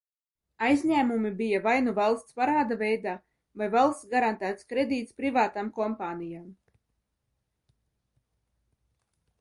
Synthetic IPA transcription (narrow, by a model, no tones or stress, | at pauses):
ajzʲɲʲæːmumibijavajnuvalˠst̪spaɾaːd̪avʲɛjd̪aː | vajvalˠst̪sɡaɾant̪æːt̪skɾed̪iːt̪spɾivaːt̪amkɔmpaːnʲijam